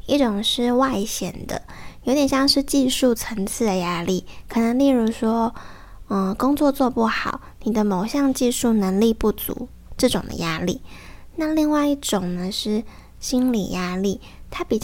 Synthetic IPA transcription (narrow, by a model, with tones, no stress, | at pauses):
i˥˩ʈ͡ʂʊ˨˩ŋʂɻ̩˥˧wa˥˧ɪɕjɛ˨˩nd̪ə̰˦jo˧˥ʊt̪jɛ˨˩nɕjɑ˥˧ŋʂɻ̩˥˧t͡ɕi˥˧ʂu˥˩t͡sʰə˧˥ŋt͡sʰɹ̩˥˩d̪ə˩ja˥li˥˩kʰɤ˨˩nə˧˥ŋli˥˩ɻu˧˥ʂwɔ˥ | ə˧˩kʊ˥ŋt͡swɔ˥˧t͡swɔ˥˧pu˥˩xɑ˨˩˦ʊni˨˩d̪ə˦mo˨˩ʊɕjɑ˥˧ŋt͡ɕi˥˧ʂu˥˩nə˧˥ŋli˥˧pu˥˩t͡sṵ˧˥˦ | ʈ͡ʂɤ˥˩ʈ͡ʂʊ˨˩ŋd̪ə̰˦ja˥lḭ˥˩na˥˧li˥˧ŋwa˥˧ɪi˥˩ʈ͡ʂʊ˨˩ŋnə˩ʂɻ̩˥˩ | ɕi˥nlḭ˨˩ja˥li˥˩ | t̪ʰa˥pi˨˩t͡ɕ